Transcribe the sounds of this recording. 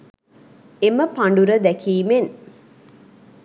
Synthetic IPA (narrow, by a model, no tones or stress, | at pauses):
eməpaɳɖuɾəd̪ækʰiːmen